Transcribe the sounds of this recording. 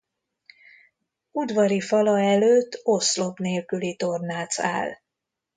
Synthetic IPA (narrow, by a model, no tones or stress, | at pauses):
ud̪vɒɾifɒlɒɛløːt̪ːo̞slo̞pneːlkylit̪o̞rnaːt̪sa̰ːl